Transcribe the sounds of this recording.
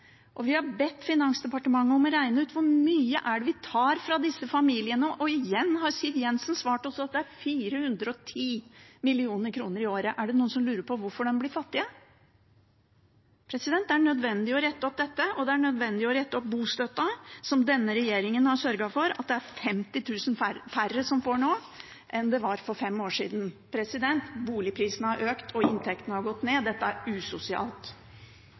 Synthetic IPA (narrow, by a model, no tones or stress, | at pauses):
ʔɔʋɪhɑbɛt̪ːfɪnɑŋsd̪ɛpɑʈəmɑŋːəɔmɔɾæɪnəʉːt̪ʰʋʊɾmyːəʔæɖɛʋɪt̪ʰɑːɾfɾɑd̪ɪsːəfɑmiːlɪənəʔɔɪjɛnːɦɑɾsid̪jɛnsnsʋɑːʈɔsɔɑt̪̚d̪ɛæɾfiːɾəhʉnd̪ɾəɔt̪ʰiːmɪlɪuːnəɾkʰɾuːnəɾɪoːɾəʔæɖɛnuːənsɔmlʉːɾəpʰɔʋʊɾfɔɖɛmblɪːɾfɑt̪ːɪə | pʰɾɛsɪd̪ɛnt̪æɳœd̪ʋɛnd̪ɪɔɾɛt̪ːɔp̚d̪ɛt̪ːəɔd̪ɛæɳœd̪ʋɛnd̪ɪɔɾɛt̪ːɔp̚buːst̪œt̪ːɑsɔmd̪ɛnːəɾɛjeːɾɪŋənhɑʂœɾɡɑfɔɾɑ̰t̪̚d̪ɛæɾfɛmt̪ɪt̪ʰʉːsənfærːəsɔmfoːɳoː | ʔɛnd̪ɛʋɑɾfɔɾfɛmːoːʂḭːd̪n̩pʰɾɛsɪd̪ɛnt̪buːlɪpʰɾiːsənəhɑɾʔøːkt̪ʰɔɪnt̪ʰɛkt̪ənəhɑɾɡɔt̪ːneːd̪ɛt̪ːəæɾʉsʊsɪɑ̰ːlt̪